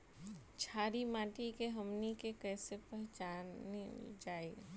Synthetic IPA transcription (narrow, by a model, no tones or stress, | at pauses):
t͡ʃʰaːɾimãːʈikeɦɐmnikekɛːsepɐɾd͡ʒa | d͡ʒaːe